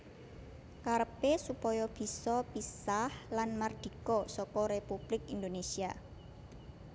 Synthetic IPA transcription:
kaɾəpesupɔjɔb̥i̤sɔpisahlanmard̪̥i̤kɔsɔkɔɾepub̥lɪkind̪onesia

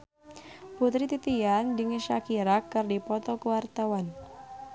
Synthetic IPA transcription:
put̪ɾit̪it̪iandiŋəʃakiɾakːɨrdipɔt̪ɔkəwart̪awan

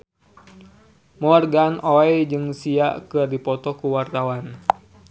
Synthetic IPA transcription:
mɔrɡanʔoɛjd͡ʒɨŋsiaʔkɨrdipɔt̪ɔkuwart̪awan

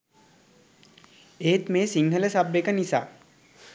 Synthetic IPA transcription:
eːt̪meːsiŋɦələsabːekənisa̰ː

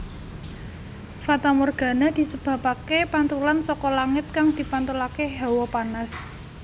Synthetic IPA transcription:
fat̪amorɡ̥a̤nad̪̥i̤səb̥ä̤pakepant̪ulansɔkɔlaŋɪt̪̚kaŋd̪̥i̤pant̪ulakeɦawɔpanas

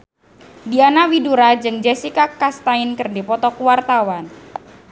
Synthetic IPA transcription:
dianawiduɾad͡ʒɨŋd͡ʒesikakast̪ainkɨrdipɔt̪ɔkuwart̪awan

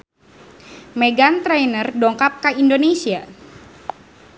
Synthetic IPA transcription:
meɡant̪ɾɛjnərdɔŋkap̚kaindonesia

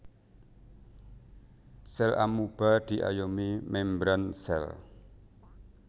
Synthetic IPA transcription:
sɛlʔa̰mub̥ad̪̥i̤ʔa̰jomimɛmbɾansɛ̰l

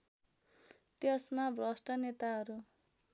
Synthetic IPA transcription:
t̪jesmabrʌsʈʌnet̪aɦʌɾu

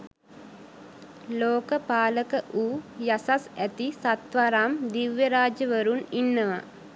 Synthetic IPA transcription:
loːkəpaːləkəʔuːjasasæt̪isat̪ʋaɾaːmd̪iʋjəɾaːd͡ʒəʋəɾuninːəʋa̰

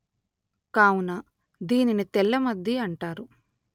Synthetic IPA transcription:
kaːwunɐ | d̪iːninit̪ɛlːɐmɐd̪ʱjiɐɳʈaːɾu

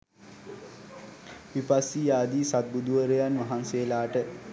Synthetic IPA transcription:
ʋipasːijaːd̪iːsat̪̚bud̪uʋəɾəjanʋaɦanseːlaːʈə

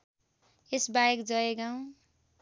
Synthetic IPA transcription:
esbajekd͡zʌeɡaw̃

